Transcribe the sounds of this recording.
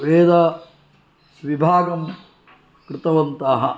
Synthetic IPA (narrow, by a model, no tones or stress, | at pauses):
ʋeːd̪ɐ | sʋibʱaːɡɐm | kɾɪt̪ɐʋɐnt̪aːɦɐ̰